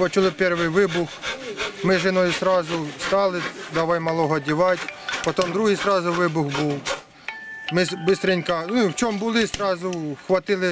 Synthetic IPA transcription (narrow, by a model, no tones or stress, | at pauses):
pɔt͡ʃʊlˠɪpʲɛrʋɪjʋɪbʊxmɪʒɪnɔjʊsɾɑzʊst̪ɑlˠɪd̪ɐʋɑjmɐlˠɔɦɔdʲiʋɑtʲpɔt̪ɔmd̪ɾuɦɪjsɾɑzʊʋɪbʊxbuw | mɪbɪst̪ɾɪnʲkɐnʊiwt͡ʃɔmbʊlˠɪsɾɑzʊxʋɐt̪ɪlˠɪ